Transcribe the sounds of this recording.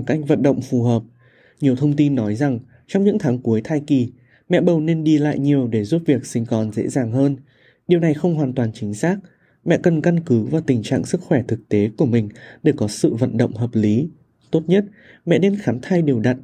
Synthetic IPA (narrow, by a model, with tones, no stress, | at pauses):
ka˦˥jk̟̚və̰˧˨nɗə̰˧˨wŋ͡mfu˨˩ɦəː˨˩p̚ | ɲi˨˩əwt̪ʰə˧wŋ͡mt̪i˧nːɔ˨˦jza˨˩ŋ | t͡ɕɔ˧wŋ͡mɲɨ̰˧˥ŋt̪ʰaː˨˦ŋku˨˦əjt̪ʰaː˧jki˨˩ | mɛ̰˧˨ɓə˨˩wne˧nɗi˧la̰ː˧˨jɲi˨˩əwɗe˧˩zu˦˥p̚vi˨˩ək̚sï˧ŋ̟kɔ˨˩nzḛ˧˥zaː˨˩ŋɦəː˧n | ɗi˨˩əwna˨˩jxə˧wŋ͡mɦwaː˨˩nt̪waː˨˩nt͡ɕï˨˦ŋ̟saː˦˥k̚ | mɛ̰˧˨kə˨˩nka˧nkɨ˨˦vaː˨˩wt̪ï˨˩ŋ̟t͡ɕa̰ː˧˨ŋsɨ˦˥k̚xwɛ˧˩t̪ʰɨ˨˩k̚t̪e˨˦ku˧˩əmï˨˩ŋ̟ɗe˧˩kɔ˨˦sɨ̰˧˨və̰˧˨nɗə̰˧˨wŋ͡mɦəː˨˩p̚li˨˦ | t̪o˦˥t̚ɲə˦˥t̚ | mɛ̰˧˨ne˧nxaː˨˦mt̪ʰaː˧jɗe˨˩əwɗa˨˩t̚